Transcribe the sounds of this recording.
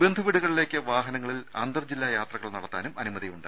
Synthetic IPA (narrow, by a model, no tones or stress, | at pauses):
bend̪ʱuʋiɽuɣɐɭile̞ːkʲːɨʋaːɦɐnɐŋːɐɭiland̪ɐrd͡ʑilːaːjaːt̪rɐɣɐɭnɐɽɐt̪ːaːnumɐnumɐðijuɳɖɨ̰